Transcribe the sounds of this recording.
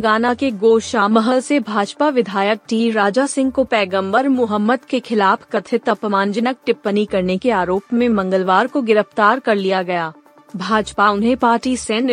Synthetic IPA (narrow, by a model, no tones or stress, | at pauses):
ɡaːnakeɡoːʃaːməɦəlsebʱaːd͡ʒpaʋɪd̪ʱaːjək̚ʈiːɾaːd͡ʒasɪ̃ŋɡ̚kopɛːɡə̃mbəɾmʊɦəmːəd̪kexʰɪlaːpʰkɐt̪ʰɪt̪əpmãːnd͡ʒənək̚ʈɪpːənikɐɾnekeaːɾoːpmẽmɐ̃ŋɡəlʋaːɾkoɡɪɾəft̪aːɾkɐɾlijaɡɐjaː | bʱaːd͡ʒpaʊnɦẽpaːɾʈisɛ̃n